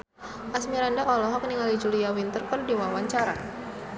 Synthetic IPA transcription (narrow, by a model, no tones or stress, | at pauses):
ʔasmiɾandaʔɔlɔɦɔk̚niŋalid͡ʒuliawint̪ərkɔrdiwawaɲt͡ʃaɾa